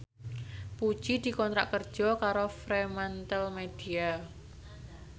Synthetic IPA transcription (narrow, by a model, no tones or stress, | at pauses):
pud̥ʒ̥id̪̥i̤kɔnt̪ɾaʔkərd̥ʒ̥ɔkaɾofɾemant̪əlmed̪̥ia